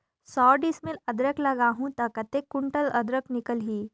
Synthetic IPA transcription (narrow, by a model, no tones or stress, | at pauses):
sɔːɖismelɐd̪ɾəklɐɡaːɦũt̪ɐkɐt̪ekːʊɳʈəlɐ̰d̪ɾəknɪkəlɦiː